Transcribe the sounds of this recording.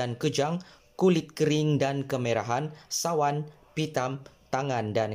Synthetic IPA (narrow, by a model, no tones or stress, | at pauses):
ankəd͡ʒaŋ | kulɪt̪̚kəɾɪŋdankəmeɾa̰ɦansawan | pit̪amt̪aŋandan